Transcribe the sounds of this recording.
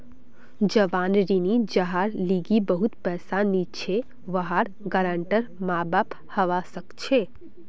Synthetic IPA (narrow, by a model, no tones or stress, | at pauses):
d͡ʒəʋaːnɾinid͡ʒəɦaɾliɡibəɦut̪pɛːsanit͡ʃʰe | ʋəɦaɾ | ɡəɾəɳʈəɾmabap | həʋasəkt͡ʃʰe